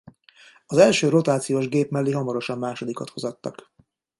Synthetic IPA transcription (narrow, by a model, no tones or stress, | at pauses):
ɒzɛlʃøːɾo̞t̪aːt̪sijoːʒɡeːpmɛlːiɦɒmɒɾo̞ʃɒmːaːʃo̞d̪ikɒ̰t̪ho̞zɒt̪ːɒ̰k